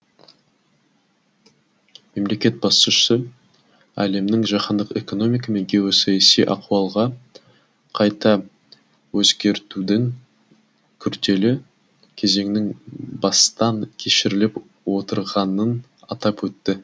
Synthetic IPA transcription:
me̞mle̞kʲe̞t̪̚bɑsəʃʏ̥sə | æ̰le̞mnɪŋʒɑqɑnd̪əqe̞̰ko̞no̞mʲijk̬ɑme̞ŋɡʲewosɑjɑsijʔɑ̰quɑlˠʁɑ | qʰɑjt̪ɑ | wɵzɡʲe̞ɾt̪ud̪ɪŋ | kʲʰʏɾd̪e̞lɪ | kʲʰe̞ze̞ŋnɪŋbɑst̪ɑŋkʲʰe̞ʃɪɾɪlɪp | wo̞t̪əɾʁɑnən | ɑt̪ɑpwɵt̪ːɪ

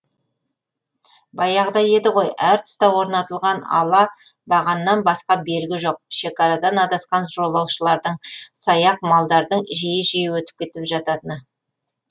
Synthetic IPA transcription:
bɑjɑʁəd̪ɑje̞d̪ɪʁo̞jæɾt̪ʰʏ̥st̪ɑwo̞ɾnɑt̪əlˠʁɑnɑ̰lˠɑ | bɑʁɑnəːɑnbɑsqɑbe̞ɾɡʲɪʒo̞q̚ʃe̞kɑɾɑd̪ɑnɑd̪ɑsqɑnʒo̞lˠːɑwʃəlˠɑɾd̪əɴsɑjɑq̚mɑlˠd̪ɑɾd̪əɴʒijɪʒijɪwɵt̪ɪp̚kʲʰe̞t̪ɪlɪpʒɑt̪ɑt̪ənə

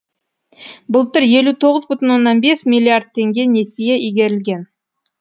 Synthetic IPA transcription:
bʊlˠt̪ʏɾje̞lut̪ʰo̞ʁəzbʏt̪ɪnwo̞nːɑnbe̞smʲijlʲˠːiard̪̚t̪ʰːe̞ŋɡʲe̞ne̞sijeʔijɡʲe̞ɾɪlɡʲe̞n

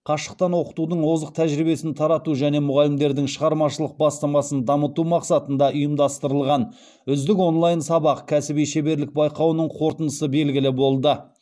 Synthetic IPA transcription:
qʰɑʃə̥q̚t̪ɑnwo̞qə̥t̪ud̪əɴwo̞zəq̚t̪ʰæʒɾibe̞sɪnt̪ʰɑɾɑt̪uʒæne̞mʊʁɑlɪmd̪e̞ɾd̪ɪŋʃəʁɑɾmɑʃəlˠəq̚bɑst̪ɑmɑsənd̪ɑmət̪umɑqsɑt̪ənd̪ɑʔʊjəmd̪ɑst̪əɾəlˠʁɑn | ʏzd̪ɪko̞nlˠɑjnsɑbɑqkʲʰæsɪbijʃe̞be̞ɾlɪk̚bɑjqɑwənəɴqʰo̞ɾt̪ənd̪əsəbe̞lɡʲɪlɪbo̞lˠd̪ə

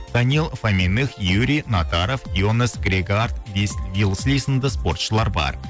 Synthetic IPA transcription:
d̪̥anilˠfamʲinɨxjuɾʲijnat̪aɾofjonəsɡɾʲeɡard̪vvilˠslʲijsənd̪əspo̞rt̪ʃəlˠɑɾbɑ̰ɾ

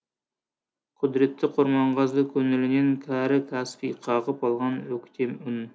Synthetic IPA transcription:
qʰʊd̪ɾɪt̪ʰːɪqʰoɾmɑɴʁɑzd̪ˠɨkʲʰøŋɪlɪnɪnkʲʰæɾɪkʲʰæspiqʰɑʁəpɑlˠʁɑnøkʲt̪ʲʰemyn

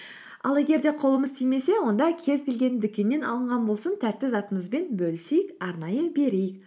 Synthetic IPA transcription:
ɑ̰lˠe̞ɡʲe̞ɾd̪e̞qʰo̞lˠəməzt̪ʰijme̞se̞wo̞nd̪ɑkʲʰe̞zkʲe̞lɡʲe̞nd̪ʏkʲe̞nːe̞nɑlˠəɴʁɑnbo̞lˠsənt̪ʰæt̪ːɪzɑt̪əməzbe̞nbɵlɪsejɪkɑɾnɑjəbe̞ɾejɪk̚

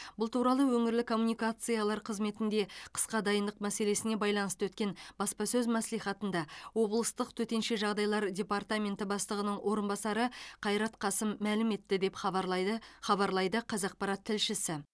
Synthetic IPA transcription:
bʊlˠt̪ʰuɾɑlˠəwɵŋɪɾlɪkʰo̞mːunijkat̪sɨjalˠɑɾqʰəzme̞t̪ɪnd̪e̞qʰə̥sqɑd̪ɑjənd̪əqmæse̞le̞sɪne̞bɑjlˠɑnəst̪əwɵt̪kʲe̞nbɑspɑsɵzmæslijχɑt̪ənd̪ɑwo̞blˠəst̪əqt̪ʰɵt̪e̞nʃe̞ʒɑʁd̪ɑjlˠɑɾdʲe̞part̪amʲe̞nt̪ɪbɑst̪ˠəʁənəɴwʔo̞ɾənbɑsɑɾəqʰɑjɾɑt̪qʰɑsɪmːælɪme̞t̪ːɪd̪e̞p | χɑβɑɾlˠɑjd̪əqʰɑzɑq̚pɑɾɑt̪ʰːɪlʃɪsɪ

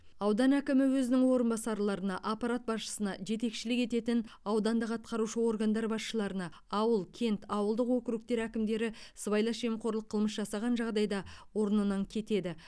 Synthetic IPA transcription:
ɑwd̪ɑnækʲɪmɪwɵzɪnɪŋwo̞ɾənbɑsɑɾlˠɑɾənɑʔapɑɾat̪̚bɑsʃə̥sənɑʒe̞t̪e̞kʃɪlɪke̞t̪e̞t̪ɪnɑwd̪ɑnd̪əqɑt̪̚qɑɾuʃəwo̞rɡand̪ɑɾbɑsʃəlˠɑɾənɑ | ɑwəlˠkʲʰe̞nt̪ʰɑwəlˠd̪əqwokɾuk̚t̪e̞ɾækʲɪmd̪e̞ɾɪsəβɑjlˠɑʃe̞mqʰo̞ɾlˠəqʰːəlˠməsʒɑsɑʁɑnʒɑʁd̪ɑjd̪ɑwo̞ɾənənɑŋkʲʰe̞t̪e̞d̪ɪ

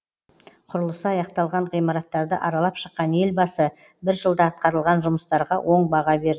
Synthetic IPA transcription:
qʰʊɾəlˠəsəɑjɑq̚t̪ɑlˠʁɑɴʁijmɑɾɑt̪ːɑɾd̪əʔɑɾɑlˠɑpʃəqːɑne̞lbɑsə | bɪɾʒəlˠd̪ɑɑt̪̚qɑɾəlˠʁɑnʒʊməst̪ɑɾʁɑwʔo̞ɴbɑʁɑbe̞ɾd̪ɪ

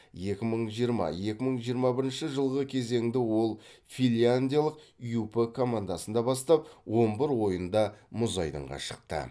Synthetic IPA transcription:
je̞kʲɪməɴʒijəɾmɑ̰je̞kʲɪməɴʒijəɾmɑbɪɾɪnʃɪʒəlˠʁəkʲʰe̞ze̞ŋd̪ɪwo̞lˠfilʲjand̪ʲijalˠəqijupəkʰo̞mand̪asənd̪ɑbɑst̪ɑp̚wo̞mbɪɾwo̞jənd̪ɑmʊzɑjd̪ə̰ɴʁɑ̰ʃəq̚t̪ə̰

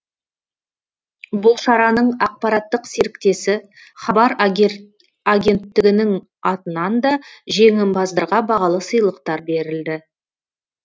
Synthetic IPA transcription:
bʊlˠʃɑɾɑnəɴɑq̚pɑɾɑt̪ːəqse̞ɾɪkt̪e̞sɪ | χɑbɑɾ | aɡʲe̞nt̪ːɪɡʲɪnɪŋ | ɑt̪ənɑnd̪ɑʒe̞ŋɪmbɑzd̪əɾʁɑbɑʁɑlˠəsəjlˠəq̚t̪ɑɾbe̞ɾɪld̪ɪ

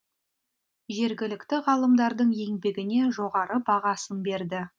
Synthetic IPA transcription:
ʒe̞ɾɡʲɪlɪkt̪ɪʁɑlˠəmd̪ɑɾd̪əɴje̞ŋbe̞ɡʲɪne̞ʒo̞ʁɑɾəbɑʁɑsənbe̞ɾd̪ɪ

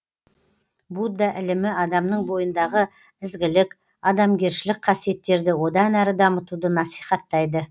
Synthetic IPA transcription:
bud̪ːɑʔɪlɪmɪɑd̪ɑmnəɴbo̞jənd̪ɑʁə | ɪzɡʲɪlɪk | ɑd̪ɑmɡʲe̞ɾʃɪlɪk̚qʰɑsije̞t̪ːe̞ɾd̪ɪwo̞d̪ɑnæɾəd̪ɑmət̪ud̪ənɑsijχɑt̪ːɑjd̪ə

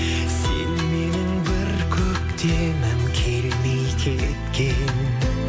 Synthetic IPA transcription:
sḛnmenɪŋbɪɾkʲʰɵkt̪ʰe | mɪnkʲʰelmijkʲʰet̪kʲʰen

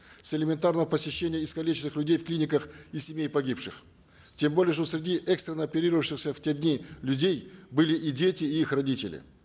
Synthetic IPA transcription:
sʲɪlʲɪmʲɪnt̪arnəvəpəsʲɪɕːenʲɪjəɪskɐlʲit͡ɕɪsɨxlʲʉdʲejfklʲinʲɪkəxisʲɪmʲejpɐɡʲipʂɨx | tʲembo̞lʲɪjəʂ̬t̪osʲɾʲɪdʲiʔɛkst̪ɾʲɪnəɐpʲɪɾʲiɾəvəfʂɕɪxsʲəfʲtʲedʲnʲilʲʉdʲejbɨlʲɪʔidʲetʲɪːixrɐdʲitʲɪlʲɪ̰

